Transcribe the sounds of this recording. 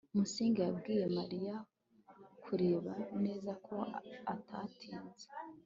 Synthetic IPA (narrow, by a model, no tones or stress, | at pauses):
umusiːŋɡejabɡiːje̞maɾija | kʰuɾe̞ːβane̞ːzakʰo̞atʰatʰiːnze̥